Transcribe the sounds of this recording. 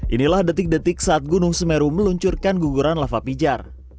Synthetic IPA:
ʔinilahdat̪ɪk̚dət̪ɪksaːt̪̚ɡunʊŋsəmeɾuməluɲt͡ʃurkanɡuɡuɾanlafapid͡ʒar

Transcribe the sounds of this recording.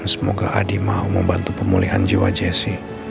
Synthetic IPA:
nsəmoɡaʔadimaɦuməmbant̪upəmuliɦand͡ʒiwad͡ʒɛsi

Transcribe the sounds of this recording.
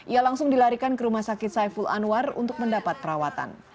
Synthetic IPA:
ʔialaŋsʊŋdilaɾikankəɾumahsakɪt̪sajfula̰nuarṵnt̪ʊk̚məndapat̪̚pəɾawat̪a̰n

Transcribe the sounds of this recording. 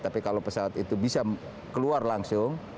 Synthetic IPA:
t̪apikalopəsawat̪it̪ubisa | kəluarlaŋsʊŋ

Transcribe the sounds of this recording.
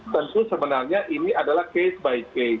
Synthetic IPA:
t̪ənt̪usəbənarɲaʔiniadalahkesbaike

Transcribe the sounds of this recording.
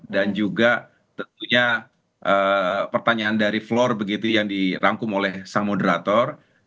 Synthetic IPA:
dand͡ʒuɡa | t̪ənt̪uɲa | ʔəpərt̪aɲaːndaɾiflɔrbəɡit̪ujaŋdiɾaŋkʊmolɛhsaŋmodəɾat̪ɔr

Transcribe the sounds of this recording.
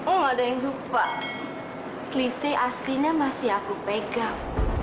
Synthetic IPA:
uŋadaɪŋɦupa | kliseʔasliɲamasiakupeɡaŋ

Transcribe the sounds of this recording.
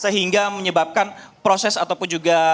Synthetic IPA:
səɦiŋɡaməɲəbap̚kanpɾosɛsat̪awpʊnd͡ʒuɡa

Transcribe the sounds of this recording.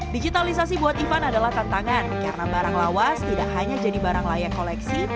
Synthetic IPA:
did͡ʒit̪alis̬as̬ibuat̪ifanadalaht̪ant̪aŋankarnabaɾaŋlawast̪idaʔhaɲad͡ʒadibaɾaŋlajakolɛksi

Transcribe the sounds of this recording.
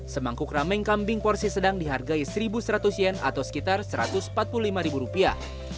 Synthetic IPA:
səmaŋkʊkramɛŋkambɪŋkɔrsisədaŋdiɦarɡaisəɾibusəɾat̪usjɛna̰t̪awsə̥kit̪arsəɾa̰t̪ʊsmpat̪̚pululimaɾibuɾupia

